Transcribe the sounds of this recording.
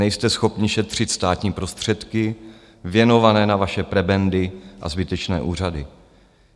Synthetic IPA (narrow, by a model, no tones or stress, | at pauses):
ɛjst̪ɛsxo̞pɲɪʃɛt̪r̝̥ɪt̪st̪aːt̪ɲiːpɾo̞st̪r̝̥ɛt̪kɪ | vjɛno̞vanɛːnavaʃɛpɾɛbɛndɪʔa̰zbɪt̪ɛt͡ʃnɛ̰ːʔuːr̝adɪ